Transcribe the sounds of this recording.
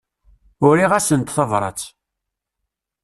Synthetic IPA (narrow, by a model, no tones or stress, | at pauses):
ʊɾiʁæsənt̪θəvɾˤɑ̰t͡s